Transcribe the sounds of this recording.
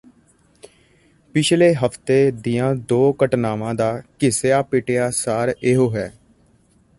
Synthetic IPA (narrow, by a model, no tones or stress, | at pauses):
pɪt͡ʃʰleːɦəpʰt̪eːd̪ijãːd̪oːkəʈnaːʋãːd̪aːkɪseaːpɪʈejaːsaːɾeɦoːɦɛː